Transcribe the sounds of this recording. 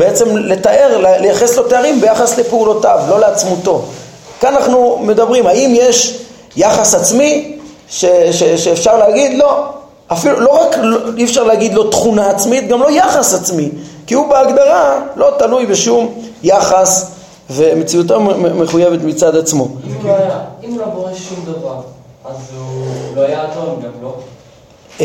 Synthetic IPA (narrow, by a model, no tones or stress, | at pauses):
beet͡se̞mle̞t̪aʔe̞ʁllejaχeslo̞teaʁimbejaχasle̞peulo̞tavlo̞le̞at͡smut̪o̞ | kanaχnume̞d̪abʁimhaimje̞ʃ | jaχasat͡smi | ʃeʃeʃeːfʃaʁleaɡid̪lo̞ | afilulo̞ʁakliefʃaʁlehaɡid̪lo̞t̪χunaat͡smit̪ɡamlo̞jaχasat͡smikiubeaɡd̪aʁalo̞t̪alujbeʃumjaχas | ve̞met͡siut̪amme̞χuje̞ve̞t̪mit͡sad̪at͡smo̞jaimloboeumd̪avaʁ | azloajat̪omɡamlo